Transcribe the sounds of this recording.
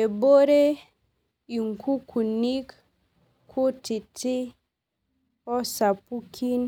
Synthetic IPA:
e˨bo˦ɾe˦ | i˨ŋku˦kʰu˨ni˦k | kʰu˦ti˨ti˦ | ɔ˦sa˨pu˦kʰi˦n

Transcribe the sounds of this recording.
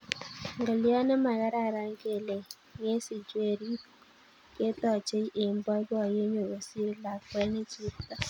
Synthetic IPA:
ŋɡɔ˨ljɔ˦nɛ˦ma˨ɣa˦ɾa˦˨ɾa˨˦ŋɡe˦˨le˨ | ŋe˦sɪ˨d͡ʒwe˦˨ɾi˦ | ke˦tɔ˨t͡ʃe˦i˦ʔe˨mbɔ˦ɡɔ˨je˦ɲo˨ɣo˨si˦ɾi˦la˨kwɛ˦ne˦t͡ʃi˦pta˨

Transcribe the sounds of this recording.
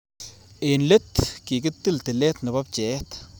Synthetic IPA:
e˨nle˦t̪ki˨ɡɨ˦t̪ːɨ˦lt̪e˨le˦t̪nɨ˨ba˦p̚t͡ʃe˨t̪

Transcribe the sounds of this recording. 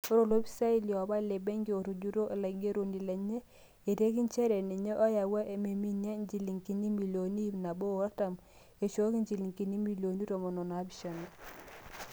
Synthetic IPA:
o˦ɾo˨lo˦bi̥˦sa˦i˦li˨ɔ˨ba˦le˨bɛ˦ŋɡi˦o˨ɾu˨d͡ʒu˦ɾo˦ʔe˨la˨ɡe˦ɾo˨ni˨lɛ˨ɲe˦ | e˨te˦ki˦nt͡ʃɛ˦ɾɛ˨ne˨ɲe˦ʔɔ˦ja˨wa˦ʔe˨me˨mi˦na˦ɲd͡ʒi˨li˨ŋki˨ni˦mi˨lo˨ni˦bna˨bo˦˨ɾa˦ta˨m | e˨t͡ʃo˦ki˦ɲd͡ʒi˨li˨ŋki˨ni˦mi˨lo˨ni˦ɾo˨mɔ˨nɔ˨n˨a˦bi˦ʃa˨na˨

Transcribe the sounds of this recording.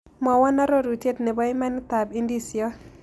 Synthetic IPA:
mɔ˨wɔ˦na˦ɾo˦ɾu˨te˦tne˨bɔ˦ɪ˦ma˦nɪ˦t̪a˨bi˦ndi˦sjɔ˦

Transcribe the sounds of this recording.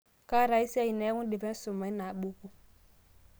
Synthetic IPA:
ka˦ɾa˨i˦sa˦ji˨nɛ˨˦ŋu˦di˨bɛ˦su˨ma˨˦i˦na˨ɓu˦ku˦

